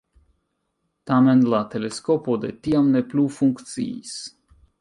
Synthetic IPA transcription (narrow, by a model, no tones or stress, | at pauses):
t̪amɛnlˠat̪ɛlʲeskɔpod̪et̪iamnɛplʲuːfuŋkt̪sḭjs